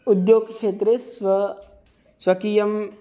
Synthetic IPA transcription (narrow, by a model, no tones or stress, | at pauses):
ud̪joɡkʂet̪ɾesʋɐ | sʋɐkiːjɐm